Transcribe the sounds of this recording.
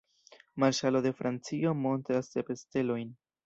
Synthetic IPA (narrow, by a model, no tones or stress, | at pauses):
maɾʃalo̞de̞fɾant͡sio̞mo̞ntɾasdepe̞ste̞lo̞jn